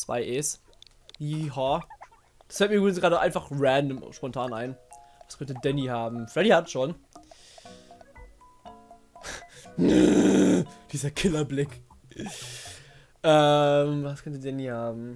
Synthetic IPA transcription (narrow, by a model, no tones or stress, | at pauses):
t͡sv̥a̰ɪʔɛːs | liːɦa | d̥asfɛltmiɐʏbʁɪnsɡ̥ʁaːɾəʔa̰ɪnfaχʁɛndəmʃpɔntʰaːnʔa̰ɪnvaskʰœntədɛnihaːbm̩fʁɛɾihatʃoːn | d̥iːzɐkʰɪlɐblɪk | ʔɛmvaskʰœntədɛnihaːbm̩